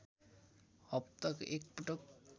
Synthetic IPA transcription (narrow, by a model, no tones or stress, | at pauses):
ɔp̚t̪ɔkḛk̚pʈok̚